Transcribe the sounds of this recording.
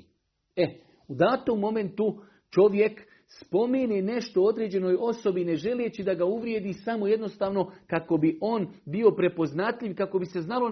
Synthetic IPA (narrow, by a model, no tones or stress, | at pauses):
e | ud̪aːt̪omːo̞me̞nt̪u | t͡ʃo̞ʋje̞k | spo̞menene̞ʃt̪o̞od̪ɾeːd͡ʑe̞no̞jo̞so̞bine̞ʒe̞let͡ɕid̪aɡauʋɾjed̪iːsamo̞je̞d̪no̞st̪aːʋno̞kako̞biʔo̞nbio̞pɾe̞po̞znat̪ʎʲiʋkako̞bise̞znalo̞